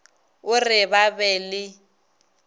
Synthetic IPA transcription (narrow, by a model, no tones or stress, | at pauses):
ʊrɪβabɛːlɪ